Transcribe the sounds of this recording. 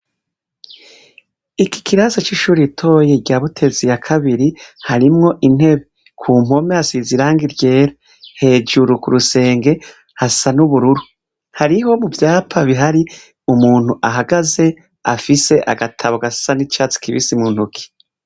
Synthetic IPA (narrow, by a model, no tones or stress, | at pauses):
iki̥kiɾaːsat͡ʃiʃuːɾitʰo̞ːjeɟaːβutʰe̞zijakʰaβiɾihaɾimŋo̞ʔin̥he̞βe | kʰuːm̥o̞measiziɾaːŋɡiɾɟe̞ːɾa | he̞ːd͡ʒuɾukuɾuse̞ːŋɡe̞ | hasanuβuɾuɾu | haɾiho̞muvjaːpaβiɦaɾi | umuːn̥huʔaɦaɡaze̞ | afise̞ʔa̰ɡatʰaβoɡassanit͡ʃaːt͡si̥kiβḭsimunhukʰi̥